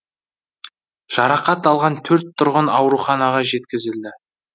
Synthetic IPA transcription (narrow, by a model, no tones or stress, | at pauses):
ʒ̥ɑɾɑqɑt̪ɑlˠʁɑnt̪ʰɵɾt̪ʰːʊɾʁənɑwɾuχɑnɑʁɑʒe̞t̪̚kʲɪzɪld̪ɪ